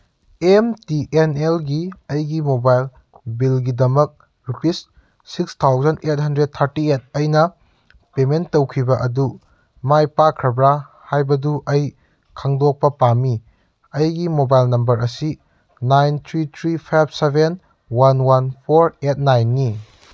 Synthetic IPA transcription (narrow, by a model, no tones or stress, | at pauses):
emtiʔenelɡiɐjɡimobajl | bilɡidɐmɐk̚ | ɾupis | sikstʰawzɐntet̚hɐndɾed̚t̪ʰɐɾtiet̚ɐjnɐ | pementːowkʰibɐʔɐdu | majpakʰɾɐbɾahajbɐduʔɐj | kʰaŋdok̚pɐpami | ɐjɡimobajlnɐmbɐɾɐsi | najnt̪ʰɾitʰɾipʰajb̚sebʱen | wanwanpʰoɾet̚najnːi